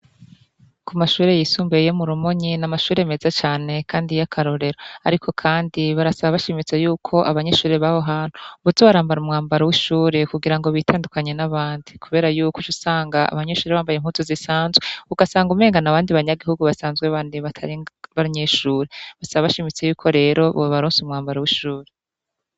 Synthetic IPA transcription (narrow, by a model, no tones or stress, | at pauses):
kumaʃuːɾe̞jiːsuːmbejo̞muɾumoɲinamaʃuːɾeme̞zat͡ʃaːne̞kʰaːndijakʰaɾo̞ɾe̞ɾoaɾikʰo̞kʰaːndiβaɾasaβaβaʃimit͡sejuːkʰo̞ʔaβaɲe̞ʃuːɾeβaho̞ɦaːn̥huβuzoβaɾaːmbaɾumŋaːmbaɾowiʃuːɾe̞kuɡiɾaŋɡo̞βitʰaːndukaɲe̞naβaːndikuβe̞ːɾajuːkut͡ʃusaːŋɡaʔa̰βaɲe̞ʃuːɾeβaːmbajem̥huzozisaːnzweuɡasaːŋɡume̞ːŋɡanaβaːndiβaɲaɡihuɡuβasaːnzɡweβaːndiβatʰaɾiŋβaɾiɲeʃuːɾeβasaβaβaʃimit͡se̞juːkʰo̞ɾe̞ːɾo̞βoβaɾuːnsumŋaːmbaɾawiʃuːɾe